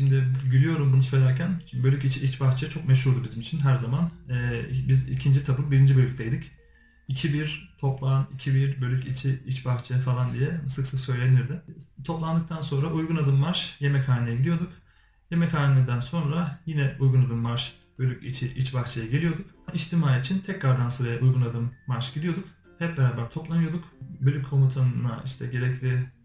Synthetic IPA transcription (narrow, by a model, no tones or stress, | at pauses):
ʃimd̪ɪɟilʲijo̞ɾumbunusø̞jlʲæɾcʰænbø̞lʲycit͡ʃʰiit͡ʃbaxt͡ʃʰajat͡ʃʰo̞kmɛʃ̬huɾd̪ubizimit͡ʃʰinɦæɾzamanɛːbizḭcʰind͡ʒit̪ʰabɯlˠbiɾind͡ʒibø̞lʲyc̚ʲt̪ʰejd̪ic | icʰibiɾt̪ʰo̞plˠanicʰibiɾbø̞lʲycit͡ʃʰiit͡ʃbaxt͡ʃʰajafalˠand̪ijɛsɯksɯksø̞jlʲeniɾd̪ɪt̪ʰo̞plˠand̪ɯk̚t̪ʰanso̞nɾaʔujɡunad̪ɯmːaɾʃje̞mɛchaːnejɛɟid̪ijo̞d̪uk | je̞mɛcʰaːnilʲiɾd̪ænso̞nɾajinɛujɡunad̪ɯmːaɾʃ | b̥ø̞lʲycḭt͡ʃʰiʔit͡ʃbaxt͡ʃʰajaɟelʲijo̞d̪uk̚ | iʃt̪ʰimaːjit͡ʃʰint̪ʰɛcɾaɾd̪ansɯɾajaʔujɡunad̪ɯmːaɾʃɟ̥id̪ijo̞d̪uk | hɛp̚beɾaːbæɾt̪ʰo̞plˠanɯjo̞d̪ukbølʲykʰːo̞mut̪ʰanna̰iʃt̪ʰɛɟe̞ɾɛclʲi